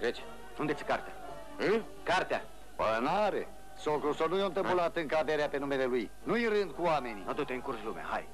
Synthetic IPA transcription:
t̪ɾet͡ʃ | und̪etsʲkart̪ea | ɨ | kart̪ea | pənaɾḛ | soklusonujownt̪əpəlat̪ɨŋkaveɾeape̞nume̞le̞luj | nujiɾɨnd̪̚kuame̞niat̪ot̪eɨŋkurʒlumea̰haj

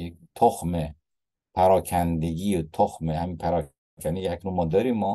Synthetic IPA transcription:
t̪ʰoxme | pʰæɾɒːkʰænd̪e̞ɡiːot̪ʰoxmehæmiːpʰæɾɒː | kʰænd̪eiæknunmɒːd̪ɒːɾimːɒː

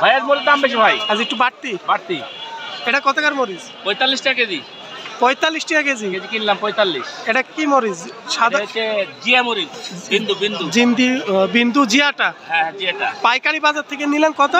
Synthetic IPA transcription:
bʱajad͡ʒmoɾizd̪ambeʃ̬ibʱajaziek̚ʈubaʈ̚t̪ibaʈt̪ieʈakɔt̪akaɾmoɾiz | pɔjt̪alːisʈiaked͡ʑi | pɔjt̪alːisʈiaked͡ʑiked͡ʒikinilampɔjt̪alːiʃeʈakimoɾizʃad̪t͡ɕed͡ʒiamoɾibind̪ubind̪ud͡ʑind̪ibind̪ud͡ʑiaʈaɦɛ̃d͡ʑiaʈapajkaɽibazaɾt̪ʰek̬enilankɔt̪a

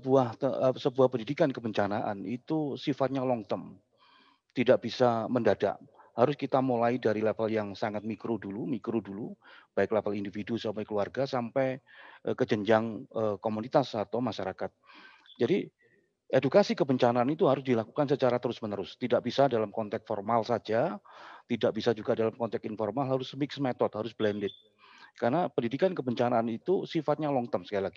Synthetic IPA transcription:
səbuahsəbuahpəndidikankəbəɲt͡ʃanaʔanit̪usifat̪̚ɲalɔŋt̪ɔm | t̪idaʔ̚b̥isaməndada̰ʔhaɾʊskit̪amolaidaɾilefəljaŋsaŋat̪̚mikɾudulumikɾudulub̥aɪklefəlindifidusampajkəluarɡasampajʔəkəd͡ʒəɲd͡ʒaŋəkomunit̪asat̪awmaʃaɾakat̪̚ | d͡ʒadi | edukasikəbəɲt͡ʃanaːnit̪uɦaɾʊs̬dilakukansət͡ʃaɾat̪əɾʊsmənəɾʊst̪idaʔ̚bisadalamkɔnt̪ɛk̪̚fɔrmalsad͡ʒat̪idaʔ̚bisad͡ʒuɡadalamkɔnt̪ɛk̚t̪infɔrmalɦaɾʊsmɪksmet̪ɔt̪̚ɦaɾʊsblɛndɪt̪̚ | karnapəndidikankəbəɲt͡ʃanaːnit̪usifat̪̚ɲalɔŋt̪əmsəkajilaɡi

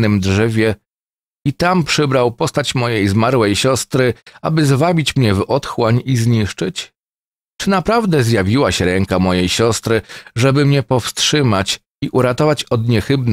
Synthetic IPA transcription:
nɘmdʐɛvʲjɛ | it̪ampʂɘbɾawpɔst̪at͡ɕmɔjejzmaɾwɛjɕɔst̪ɾɘabɘzvabʲit͡ɕmɲɛvɔt̪xwaɲizɲiʂt͡ʂɘt͡ɕ | t͡ʂɘnapɾavd̪ɛzjavʲiwaɕɛɾɛŋkamɔjejɕɔst̪ɾɘʐɛbɘmɲɛpɔfst̪ʂɘmat͡ɕ | iʔuɾat̪ɔvat͡ɕɔd̪ɲɛxɘbn

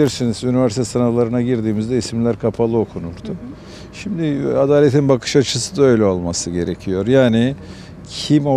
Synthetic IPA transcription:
iɾsinizynivæɾsit̪ʰɛsanalˠaɾɯnaɟiɾd̪iːmizd̪ɛisimlʲæɾkʰapʰalˠɯokʰunuɾd̪̥ʊ | ʃimd̪ɪad̪aːlʲe̞t̪ʰinbakʰɯ̥ʃat͡ʃʰɯsɯd̪aø̞jlʲɛo̞lˠmasɯɟe̞ɾecʰijo̞ɾjaːnɪ | cʰimo

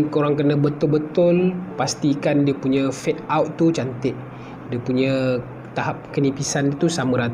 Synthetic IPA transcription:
koɾaŋkənəbət̪ʊlbət̪ʊlpast̪ikandiəpuɲãfɛt̚awʔt̪ut͡ʃant̪ɪʔ̚ | diəpuɲə̃ | t̪aɦap̚kənipisanət̪usamə̃ɾat̪

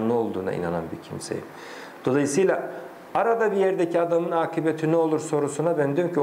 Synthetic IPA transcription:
ɯo̞lˠd̪uːna̰ḭna̰na̰nbiɾcʰimse̞̰jḭm | d̪̥o̞lˠajɯsɯjlˠa | aɾad̪abijɛɾd̪ecʰiad̪amɯnaːkʰibet̪ʰinyo̞lˠuɾso̞ɾusunab̪ænd̪ymcʰi

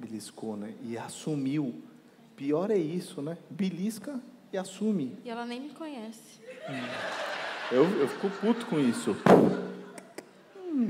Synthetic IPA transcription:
biliskonɛɪasumiw | piɔɾɛisʊnɛbiliskɐ | ɪasũmɪiɛlɐnẽj̃mɪkõɲɛsɪ̥̃ | ewewfi̥kofut̪ʊ̥kõisʊ

